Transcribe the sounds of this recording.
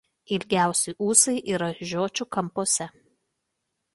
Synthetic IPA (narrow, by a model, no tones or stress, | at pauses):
ɪlʲɡʲæˑʊsʲɛɪʔuːsɐɪʔiːɾɐʒʲoːt͡ʃʲʊkɐmpoːsʲɛ